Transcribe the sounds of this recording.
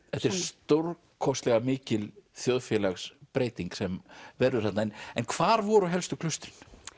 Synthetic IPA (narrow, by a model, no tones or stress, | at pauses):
ɛt̪ɛɾɾst̪oɾ | kʰɔst̪lɛɣamɪːcɪlθjoðfjɛlaxspɾeːjt̪iŋksɛmvɛɾðʏɾ̥at̪naɛnɛnkʰvaːɾvɔɾʏɔɦɛlst̪ʏkʰlʏst̪ɾɪn̥